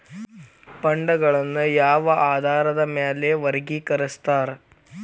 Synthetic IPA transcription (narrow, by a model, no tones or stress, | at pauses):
pɐɳɖɐɡɐɭɐnːujaːʋɐʔaːd̪ʱaːɾɐd̪ɐmeːleʋɐɾɡikɐɾɐst̪aːɾ